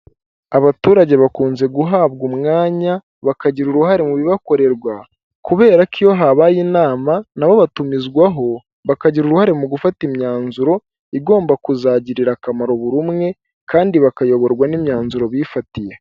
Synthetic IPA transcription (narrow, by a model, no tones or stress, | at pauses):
aβatuːɾaɟe̞βakuːnze̞ɡuɦaːβɡumŋaːɲa | βakaɟiɾuɾuɦaɾe̞muβiβako̞ɾe̞ɾɡwa | kuβe̞ːɾakʰijo̞ɦaβajinaːmanaβo̞βatumizɡwaɦo̞ | βakaɟiɾuɾuhaɾe̞muɡufatimɲaːnzuɾo̞ | iɡo̞ːmbakuzaɟiɾiɾakamaɾo̞βuɾumŋe̞ | kaːndiβakajo̞βo̞ɾɡwanimɲaːnzuɾo̞βifatije